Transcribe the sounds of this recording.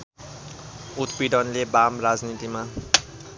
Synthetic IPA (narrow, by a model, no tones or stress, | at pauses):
ut̪biɖʌnlebamrad͡znit̪ima